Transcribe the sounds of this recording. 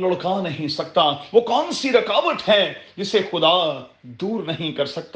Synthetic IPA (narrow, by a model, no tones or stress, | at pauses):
lɐɽkanɐɦĩsɐk̚t̪aʋoːkɔːnsiɾɐkaːʋət̪ɦɛ̃ːd͡ʒɪsexʊd̪ad̪uːɾnɐɦĩkɐɾsɐk̚t̪